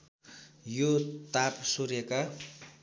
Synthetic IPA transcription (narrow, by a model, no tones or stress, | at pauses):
jot̪apsurjeka